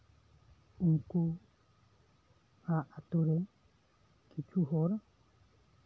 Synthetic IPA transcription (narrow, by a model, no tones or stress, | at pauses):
uŋku | aʔat̪uɾe | kit͡ʃuɦoɾa